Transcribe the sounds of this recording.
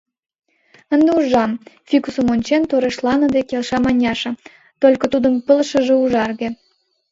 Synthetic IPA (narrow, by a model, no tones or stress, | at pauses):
ə̆nd̪euʒɑmfikusə̆monʲt͡ɕent̪oɾeʃlɑnɤ̆d̪ekelʃɑmɑnʲɑʃɤ̆ | t̪olʲkɤ̆t̪ud̪əmpə̆lʃə̆ʒĕuʒɑrɣĕ